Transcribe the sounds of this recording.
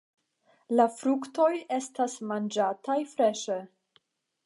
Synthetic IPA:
lafɾukto̞je̞stasmand͡ʒatajfɾe̞ʃe

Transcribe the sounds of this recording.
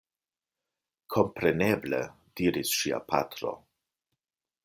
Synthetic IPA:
kʰo̞mpɾeneblḛ | d̥iɾisʃia̰pʰa̰t̪ɾo̰

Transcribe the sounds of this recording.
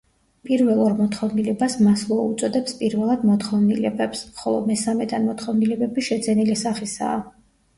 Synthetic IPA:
pʼiɾvɛlˠɔɾmɔt̪χɔvnilɛbasmaslˠɔut̪sʼɔd̪ɛpspʼiɾvɛlˠad̪mɔt̪χɔvnilɛbɛpsχɔlˠɔ̰mɛsamɛd̪anmɔt̪χɔvnilɛbɛbiʃɛd̪zɛnilisaχisa̰ː

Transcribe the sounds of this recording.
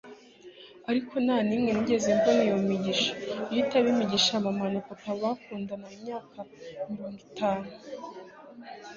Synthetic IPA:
aɾikʰo̞naːnimŋe̞niɟe̞zembonijomiɟiʃḁjitaβimiɟiʃamamanakotaβakuːndanaimɲaːkʰamiɾo̞ːŋɡitaːnu

